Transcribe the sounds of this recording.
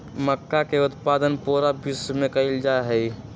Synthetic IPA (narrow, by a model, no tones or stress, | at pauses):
məkːakeʊt̪paːd̪ənpuɾabismẽkəɪld͡ʒaeɦəi